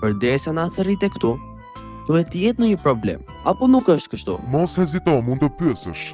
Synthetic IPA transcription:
pəɾd̪ɛsanaθɛɾit̪ɛkt̪u | t̪uɛt̪əjɛt̪nəɲəpɾɔblɛ̰m | apɔnukəʃt̪kəʃt̪ṵmɔshɛzit̪ɔmũnd̪ɔpyɛsəʃ

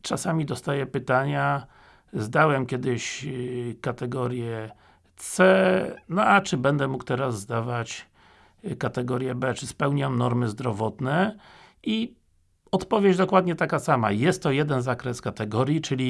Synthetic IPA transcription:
t͡ʂasamʲid̪ɔst̪ajɛpɘt̪aɲa | zd̪awɛmkʲjɛd̪ɘɕ | kat̪ɛɡɔɾʲjɛ | t̪sɛnɔat͡ʂɘbɛnd̪ɛmukt̪ɛɾazːd̪avat͡ɕ | kat̪ɛɡɔɾjɛbɛt͡ʂɘspɛwɲamnɔɾmɘzd̪ɾɔvɔt̪nɛ | i | ɔt̪pɔvʲjed͡ʑd̪ɔkwad̪ɲɛt̪akasama̰jɛst̪ːɔjɛd̪ɛnzakɾɛskat̪ɛɡɔɾʲjit͡ʂɘlʲi

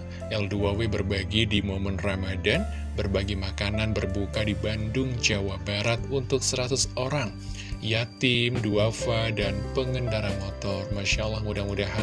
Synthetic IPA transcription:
ɛlduawebərbaɡidimomənramadan | bərbaɡimakananbərbukadibandʊŋd͡ʒawabaɾat̪̚unt̪ʊk̚səɾat̪usoɾaŋ | jat̪ɪmduafadanpəŋəndaɾanmɔt̪ɔrmaʃalahŋudaŋudaɦa

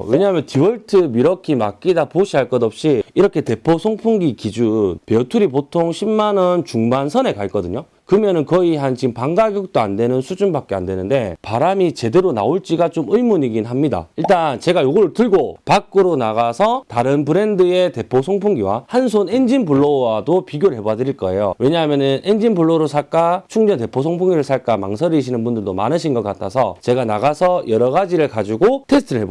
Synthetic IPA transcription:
we̞ɲaɦmjʌntʰiwʌɭtʰɯmiɾʌkʰimak̚k͈idapoɕʰiɦaɭk͈ʌdʌp̚ɕ͈iiɾʌkʰe̞te̞pʰosʰoŋpʰuŋɡikid͡ʑupetʰuɾipotʰoŋɕʰimmanʌnt͡ɕuŋbansʰʌne̞kaɭk͈ʌdɯɲo | kɯɯmjʌnɯnkʌiɦant͡ɕiɡɯmpaŋɡaɡjʌk̚t͈oandwe̞nɯnsʰud͡ʑunbak͈ea̰ndwe̞nɯnde̞paɾamit͡ɕe̞de̞ɾona̰oɭt͡ɕ͈iɡat͡ɕomɯimuɲiɡinɦamɲida̰iɭt͈ant͡ɕe̞ɡajoɡʌɾtɯɭɡopak͈ɯɾonaɣasʰʌtaɾɯnpʰɯɾe̞ndɯe̞te̞pʰosʰoŋpʰuŋɡiwa̰hansʰone̞nd͡ʑinpuɭːoadopiɡjoɾɯɭɦebadɯɾiɭk͈ʌe̞jo̰we̞ɲaɦamjʌnɯne̞nd͡ʑinbuɭːoɾosʰak͈at͡ɕʰuŋɲʌnte̞pʰos̬ʰoŋpʰuŋɡiɾɯɭsʰaɭk͈ama̰ŋsʰʌɾiɕʰinɯnbundɯɭdoma̰nɯɕʰinɡʌk͈atʰasʰʌ̰t͡ɕe̞ɡanaɣasʰʌjʌɾʌɣad͡ʑiɾɯɭkad͡ʑiɡotʰe̞sʰtʰɯɾɯɭɦe̞bo

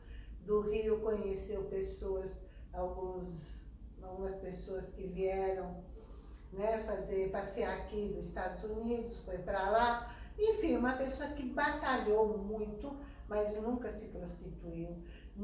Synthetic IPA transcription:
d̪ʊʁiʊkõɲesewpesoɐzawɡũzawɡũmɐspesoɐskɪviɛɾɐ̃w̃ | nɛfazeɾpaseaakid̪ʊzist̪ad̪ʊzunid̪ʊsfojpɾalaẽfĩũmɐpesoɐkɪbat̪aʎowmũj̃t̪ʊ | maznũŋkɐsɪpɾost̪it̪uiw

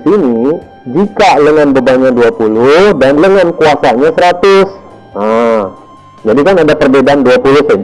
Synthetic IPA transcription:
t̪ini | d͡ʒikaləŋanbəbaɲaduapulʊhdanləŋankuasaɲasəɾat̪ʊs | a | d͡ʒadikanadapərbedanduapulʊhsa

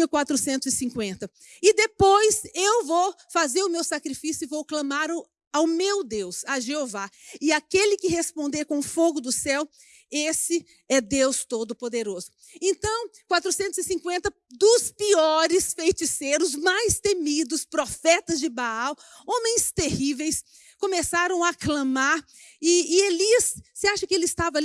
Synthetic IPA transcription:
iwkwat̪ɾʊsẽnt̪ʊzɪsĩkwẽnt̪ɐ | ɪd̪epojzewvowfazeɾʊmewsakɾifisjʊɪvowklɐ̃maɾʊ | awmewd̪ewsaʒeovaɪakelɪkɪɦespõnd̪ekõʊfoɡʊd̪ʊsɛw | esɪ | ɛd̪ewst̪od̪ʊpod̪eɾozʊ | ẽnt̪ɐ̃w̃kwat̪ɾʊsẽnt̪ʊzɪsĩŋkwẽnt̪ɐ | d̪ʊspiɔɾɪsfejt͡ʃiseɾʊzmajst̪emid̪ʊspɾofɛt̪ɐzd͡ʒɪbaaw | õmẽj̃st̪ehivejs | kõmesaɾɐ̃w̃aklɐ̃maɾ | ɪːeliɐssɪaʃɐkɪelɪɪst̪avɐal

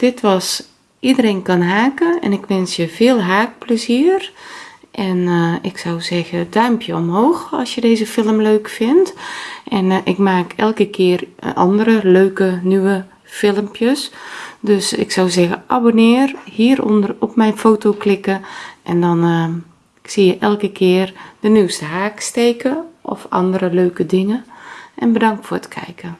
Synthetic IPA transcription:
d̥ɪtʋɔs | ʔidəɾeːnkɔnɦaːkəɛ̰nɪkʋɛnsjəfɪːəlˠɦaːk̚pləziər | ʔɛnɪksɔwzɛɣədœɥmpʰjəomɦoːxɑ̰sjədeːzəfɪlˠəmløːkfɪntʔɛnɪkmaːkʰɛlˠkəkʰɪːərʔɔ̰ndəɾəløːkənyʋə | fɪlˠəmpjəsdøsɪ̰ksawzɛɣəʔabonɪːrhiːɾɔpmɛjnfoːtoklɪkəʔɛndɔn | sijəʔɛlˠkəkʰɪərd̥ənywstəɦaːkstejkəʔɔ̰fʔɑ̰ndəɾəløːkədɪŋəʔɛnbədɑŋk̚tfoːətkʰɛ̰jkə

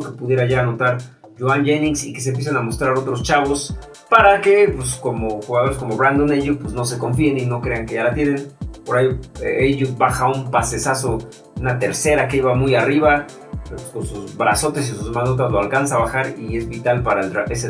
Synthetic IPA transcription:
ke̞puðje̞ɾaʝaːno̞t̪aɾ | ʝoanʝenĩŋsike̞s̬e̞mp̬jes̬enamo̞st̪ɾaɾo̞t̪ɾo̞st͡ʃaβo̞s | paɾake̞pwesko̞mo̞xuɣað̞o̞ɾes̬ko̞mo̞βɾand̪o̞neʝupwezno̞s̬e̞ko̞ɱfie̞nino̞kɾeaŋke̞ʝalat̪je̞ne̞npoɾajoeejʝut̪̚baxaumpase̞saso̞ | unat̪e̞ɾse̞ɾakeiβamujariβa | pesko̞nsuzβɾaso̞t̪esisuzmanot̪̬azloalkansaβaxaɾie̞zβit̪alpaɾaa̰ʔese

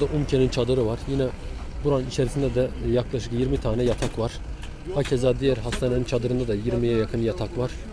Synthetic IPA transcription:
d̪aʔumcʰenint͡ʃʰad̪ɯɾɯvaɾjinɛbuɾanɯnit͡ʃʰeɾisind̪ɛd̪ɛjaklˠaʃɯkjiɾmit̪ʰaːnɛjat̪ʰakvaɾ̥ | hacʰezaːd̪ijɛɾɦast̪ʰanenint͡ʃʰad̪ɯɾɯnd̪ad̪ɛjiɾmijɛjakʰɯnjat̪ʰakvaɾ̥

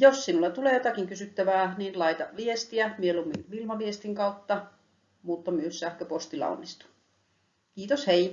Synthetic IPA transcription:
jossinulːɑt̪uleːjot̪ɑkiŋkysyt̪ːæʋæːninlɑit̪ɑʋiest̪iæmielumːinilmɑʋiest̪iŋkɑut̪ːɑ | mut̪ːɑmyøssæːhkøpost̪ilːˑɑ̰o̰nːist̪u̥ | kiːt̪oshei

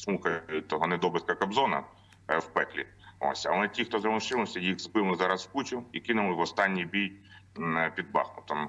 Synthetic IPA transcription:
smuxɐt̪ɔɦɔnɛd̪ɔbɪt̪̚kɐkɐbzɔnɐ̰ | wpɛklʲḭ | o̰sʲɐ̰lˠɛtʲixt̪ɔzɾɔlˠɐʃt͡ʃɪlˠɪsʲɐjiɣzbɪlˠɪzɑɾɐswkut͡ʃʲʊikɪnʊlˠɪʋɔst̪ɑnʲːijbʲij | pʲid̪̚bɑ̰xnʊt̪ɔm

